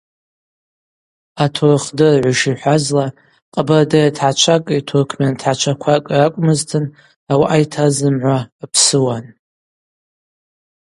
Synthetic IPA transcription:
atʰorχdɨrʕʷaʃiħʷazla | qʼabardajatʰħat͡ʃʷʰakʼitʰorkʰmantʰħat͡ʃʷʰakʷʰakʼrakʷʼmɨztʰɨn | awaʔajtʰazɨmʕʷapʰsɨwan

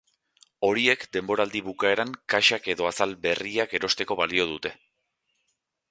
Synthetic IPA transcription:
o̞ɾie̞kd̪e̞mbo̞ɾald̪iβukae̞ɾaŋkaʃake̞ðo̞asalbe̞riake̞ɾo̞st̪e̞ko̞βalio̞ð̞ut̪e̞

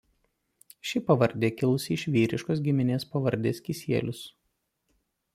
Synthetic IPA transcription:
ʃʲɪpɐʋɐɾʲd̪ʲeːkʲɪlˠʊsʲɪʃʲʋʲiːɾʲɪʃkoːs̬ɡʲɪmʲɪnʲeːspɐʋɐɾʲd̪ʲeːskʲisʲiɛlʲʊs

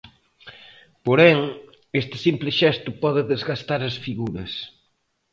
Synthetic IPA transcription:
poɾɛŋ | est̪ɪ̥simplɪʃɛst̪ʊpɔðɪðezɣast̪aɾɐsfiɣuɾɐ̰s

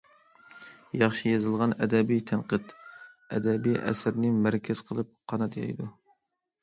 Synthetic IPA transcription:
jɑχʃijɑzɨlˠʁɑnɛd̪ɛbijt̪ʰænqəd̪ɛ̰d̪ɛbijʔɛ̰sɾnɪmæɾkʲʰɛz̥qʰəlˠɨp̚qʰɑnɑt̪ʰjɑ̰jd̪u

